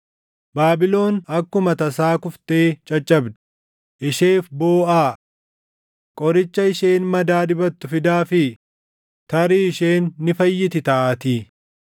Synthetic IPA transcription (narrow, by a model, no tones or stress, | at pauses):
baːbɪlo̞ːnɐkːʊmɐt̪ɐsaːkʊft̪e̞ːt͡ʃʼɐt͡ʃʼːɐbd̪ɪ̥ | ʔɪʃeːfbo̞ːʔaː | kʼɔɾɪt͡ʃːɐɪʃe̞ːnmɐd̪aːd̪ɪbɐt̪ːʊfɪd̪aːfɪ | t̪ɐɾiːɪʃeːnːɪfɐjːɪt̪ɪt̪ɐʔat̪iː